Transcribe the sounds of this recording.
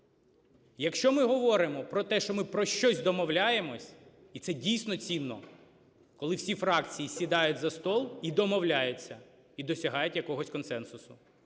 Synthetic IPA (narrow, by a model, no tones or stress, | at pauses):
jɐkʃt͡ʃɔmɪɦɔʋɔɾɪmɔpɾɔt̪ɛʃt͡ʃɔmɪpɾɔʃt͡ʃɔzʲd̪ɔmɔwlʲaje̞mɔsʲ | it̪sɛdʲijsʲnɔt͡sʲinːɔ | kɔlˠɪwsʲifɾɑkt͡sʲijisʲid̪ɑjʊtʲzɐst̪ɔlˠid̪ɔmɔwlʲajʊt͡sʲːɐ | id̪ɔsʲɐɦɑjʊtʲjɐkɔɦɔsʲkɔnsɛnsʊsʊ